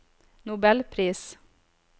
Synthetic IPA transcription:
nʊbɛlpʰɾiːs

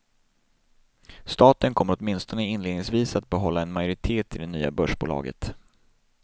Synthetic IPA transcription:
st̪ɑːt̪ənkʰɔmːəɾɔt̪mɪnst̪ɔnəɪnleːd̪nɪŋsviːsat̪̚bɛɦɔlːaɛnmajʊɾɪt̪ʰeːt̪ʰɪld̪ɛnyːa̰bœʂbṵːlɑ̰ːɡə̰t̪

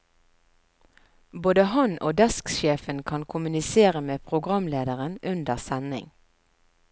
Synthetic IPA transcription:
boːd̪əhɑnʔo̰ːd̪ɑskʃeːfənkʰɑnkʰʊmʉnɪseːʁəmeːpʰʁʊɡʁɑmleːd̪əʁənʉnd̪əʁsænɪ̰ŋ

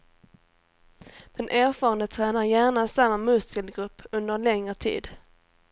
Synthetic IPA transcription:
d̪̥ɛnʔæːɾfɑːɾand̪ət̪ʰɾɛːnaɾjæːɳasamːamɵskəlɡɾɵpːɵnd̪əɾlɛŋɾət̪ʰḭːd̪

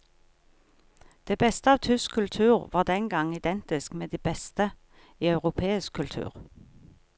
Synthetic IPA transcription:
d̪̥eːbɛst̪əɑːʋt̪ʰʏskʰʉlt̪ʰʉːʁʋɑːʁd̪ɛŋɡɑŋɪd̪ɛnt̪ɪskmeːd̪iːbɛst̪ə | iːɑʉʁʊpʰeːɪskkʰːʉlt̪ʰʉ̰ːʁ

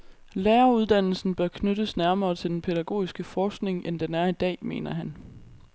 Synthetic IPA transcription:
lɛːɐuð̞ˠd̥æn̰l̩sn̩b̥ɶɐkʰnødəsnæɐmɐːt͡sʰe̝ld̥enpʰe̝d̥æɡ̥o̝̰ːisɡ̥əfɒːsɡ̥ne̝ŋʔend̥enæɐid̥ɛ̰ːme̝̰ːnɐɦæn

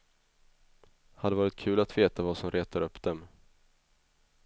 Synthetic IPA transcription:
had̪əɛvɑːɾɪt̪kʰʉ̟ːlat̪veːt̪avasɔmɾʔeːt̪aɾɵpːd̪̥ɛm

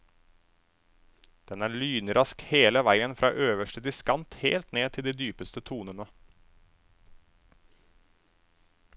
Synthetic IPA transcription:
d̪̥ɛnæːɭyːnɾɑskheːləʋæɪənfɾɑ̰ːʔøːʋəʃʈəd̪ɪskɑnt̪hḛːlt̪neːt̪ʰɪld̪iːd̪yːpəst̪ət̪ʰuːnənə

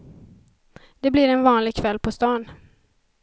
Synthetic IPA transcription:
d̪̥ɛblɪɾɛnvɑːnlɪɡ̚kʰvɛlːpʰɔst̪ɑːn

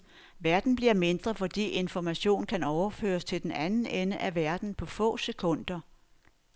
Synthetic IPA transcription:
ʋæɐd̥n̩b̥liɐme̝nd̥ʁɐfɒ̽d̥ḭːe̝nfɒmæɕo̝̰ːnkʰænɒʊɐfø̰ːɐst͡sʰe̝ld̥enænn̩enəʔæʋæɐd̥n̩pʰɒ̽fɔ̰̽ːse̝kʰɔ̽n̰d̥ɐ

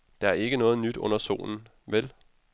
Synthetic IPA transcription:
d̥ɑ̈æɐe̝ɡ̥ənɔ̽ːð̞̩ˠnyd̥ɔ̽n̰ɐso̝̰ːln̩ | ʋel

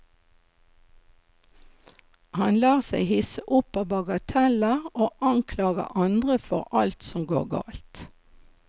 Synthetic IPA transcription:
hɑnlɑːʁsæɪhɪsəʔʊpɑbɑɡət̪ʰɛləʁoːʔɑŋkʰlɑːɡə̰ʔɑnd̪ʁəfɔʁɑlt̪sɔmɡo̰ːʁɡɑ̰ːlt̪

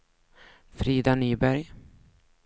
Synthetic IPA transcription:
fɾiːd̪anyːbæɾj

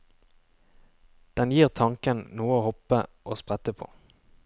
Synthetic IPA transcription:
d̪̥ɛnjiːʁt̪ʰɑŋkənnuːəoːhɔpəʔoːspʁɛt̪əpʰo̰ː

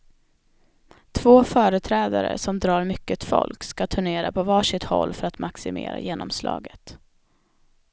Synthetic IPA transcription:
t̪ʰvoːfœːɾət̪ʰɾɛːd̪aɾə̰sɔmd̪ɾɑːɾmʏkːət̪fɔ̰lkskat̪ʰɵɳeːɾapʰɔvɑːʂɪt̪hɔlːfœɾat̪mʔaksɪmḛːɾa̰jeːnɔmslɑ̰ːɡət̪

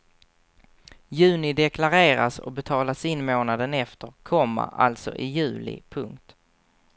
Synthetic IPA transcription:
jʉ̟ːnɪd̪ɛkʰlaɾeːɾa̰sɔ̰bɛt̪ʰɑːlasɪnːmoːnad̪ənɛft̪əɾkʰɔmːa̰a̰lt̪sɔ̰ʔɪjʉ̟ːlɪ̰pʰɵŋkt̪

